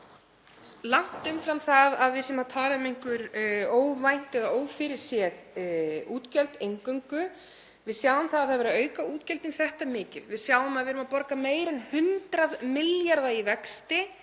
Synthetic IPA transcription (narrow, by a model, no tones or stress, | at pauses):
lawŋ̥t̪ʏmfɾamθaðaðvɪsɛmat̪ʰaːlɪmejŋ̥kʏɾoːwvajn̥t̪ɛðaʔoːwfɪɾɪɾ̥sjɛðuːt̪cɛlt̪ejŋkœɥŋkʏ | vɪðsjaːwʏmθaðaðθaðvɛɾaœːɥkauːt̪cɛlt̪ʏmθɛht̪amɪːcɪðvɪðsjaːwʏmaðvɪðɾʏmapɔɾkameːjɾɛnhʏnt̪ɾaðmɪljaɾðaivɛkst̪ɪ